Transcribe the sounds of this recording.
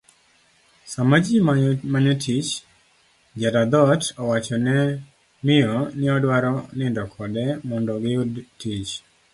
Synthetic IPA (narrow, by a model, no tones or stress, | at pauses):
samad͡ʒimamaɲɛtʰit͡ʃ | d͡ʒadad̪ɔtʰɔwat͡ʃɔnɛ | mɪɔnɪɔdwaɾɔnɪndɔkʰɔdɛmɔndɔɡɪudtit͡ʃ